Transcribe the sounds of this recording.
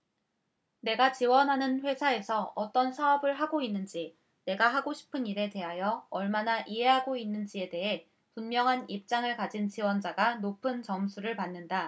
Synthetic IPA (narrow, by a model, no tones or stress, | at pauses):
ne̞ɡat͡ɕiwʌnɦanɯnɸwe̞sʰae̞sʰʌʌt͈ʌnsʰaʌbɯɭɦaɡoinːɯnd͡ʑi | ne̞ɡaɦaɡoɕʰi̥pʰɯniɾe̞te̞ɦajʌʌɭmanaʔiɦe̞ɦaɡoinːɯnd͡ʑie̞de̞ɦe̞ | punmjʌŋɦanip̚t͡ɕ͈aŋɯɭkad͡ʑint͡ɕiwʌnd͡ʑaɡanopʰɯnt͡ɕʌmsʰuɾɯɭpanːɯnda